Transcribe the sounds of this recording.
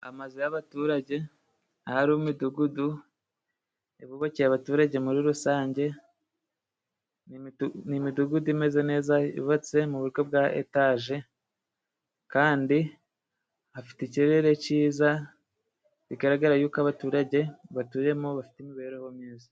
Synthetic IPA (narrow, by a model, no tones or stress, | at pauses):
a̰mazijaβatuːɾaɟe̞ | ahaɾumiduɡudu | eβuβocejaβatuːɾaɟe̞muɾiɾusaːɲɟe̞ | nnimiduɡuduime̞ze̞ne̞ːzaḭβat͡se̞muβuɾɡo̞b̚ɡaʔḛtaʒe̞ | kaːndi | hafi̥teceɾe̞ɾe̞ciːza | iɡaɾaɡaɾajuːkaβatuːɾaɟe̞βatuːje̞moβafi̥teimiβeɾehomɲeːza